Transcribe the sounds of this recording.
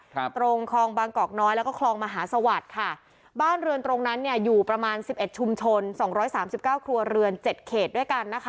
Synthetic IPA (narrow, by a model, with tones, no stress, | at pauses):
t̪ɾo˧ŋkʰɔː˧ŋbaː˧ŋkɔː˨˩k̚nɔː˦˥jlɛ˦˥wkɔː˥kʰlɔː˧ŋmaː˧ɦaː˩˦sa˧wa˨˩t̪̚kʰa˥˩ | baː˥˩nɾɯ˧ənt̪ɾo˧ŋna˦˥nːi˥˩ɐjuː˨˩pɾa˧maː˧nsi˨˩p̚ʔe˨˩t̪̚t͡ɕʰu˧mt͡ɕʰo˧nsɔː˩˦ŋɾɔː˦˥jsaː˩˦msi˨˩p̚kaː˥˩wkʰɾu˧ɐɾɯ˧ənt͡ɕe˨˩t̪̚kʰeː˨˩t̪̚du˥˩jka˧nːa˦˥kʰa˦˥